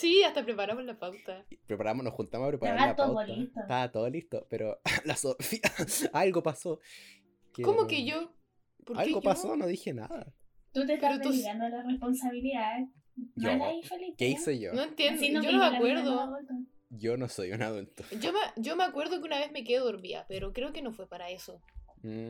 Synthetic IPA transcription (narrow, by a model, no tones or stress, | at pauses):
siast̪apɾepaɾamozlapawt̪apɾepaɾamonohxunt̪amoapɾepaɾaɾat̪oolit̪ot̪aat̪oðolist̪opeɾolasofiaalɣopaso | kekomokeʝo | poɾalɣopasonoðixena̰ðat̪ut̪etp̪aɾot̪uand̪olaresponsaβiliða | jolaifelikeiseʝo̰noent̪jend̪noonomeakweɾðoðult̪oʝonosojṵnaðult̪o̥ɟ͡ʝomaɟ͡ʝomeakwe̞ɾðokeunaβezmek̬eðoɾmia̰peɾokɾe̞okenofwe̞paɾae̞so